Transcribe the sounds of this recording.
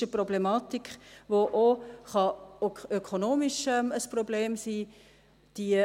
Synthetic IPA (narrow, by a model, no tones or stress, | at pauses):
əproblɛmɑːt̪ikχʋoʔoχɑøkʰonoːmiʃɛməsprobleːmsiː | d̥iə